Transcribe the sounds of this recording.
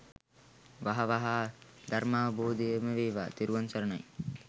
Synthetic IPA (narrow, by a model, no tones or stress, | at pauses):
ʋaɦɐʋaɦaː | d̪ɐɾmaːʋɐboːd̪ijəməʋeːʋa̰ːt̪iɾuʋɐnsɐɾɐna̰j